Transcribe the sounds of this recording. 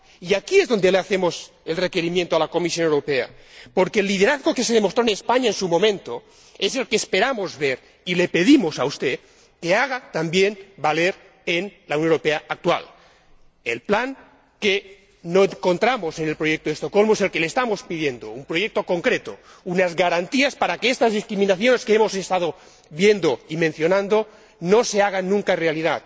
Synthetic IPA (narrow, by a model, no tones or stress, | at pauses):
iakiezðo̞nd̪eleaθe̞mo̞s | e̞lre̞ke̞ɾimjẽnt̪oalako̞misjo̞newɾopea̰po̞ɾkeːlːiðe̞ɾaðɣo̞keseðemost̪ɾoenespaɲaensumo̞mẽ̞nt̪o | e̞selkeːspe̞ɾamo̞zβe̞ɾ | ile̞pe̞ðimo̞saust̪e | ke̞aɣ̞at̪ambjenbale̞ɾ | enlauwnjoeɾopeaak̚t̪wa̰l | ḛlplaŋ | ke | noeŋko̞nt̪ɾamo̞se̞ne̞lpɾojek̚t̪oðest̪o̞ko̞lmoeselkeleːst̪amo̞spiðje̞nd̪o̰umpɾojek̚t̪oko̞ŋkɾet̪o̰ | unazɣaɾant̪iaspaɾakeest̪azðiskɾiminaθjo̞ne̞skeemo̞sest̪að̞o | βje̞nd̪o̞imenθjonãnd̪o | no̞se̞aɣ̞anːũŋkaerealiðat̪